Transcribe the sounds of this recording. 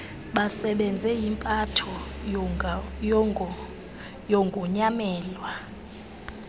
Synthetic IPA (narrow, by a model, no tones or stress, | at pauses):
ɓasɛɓɛnd͡zʱɛjimpʼatʰɔ | jɔŋɡʱɔɲamɛːlwa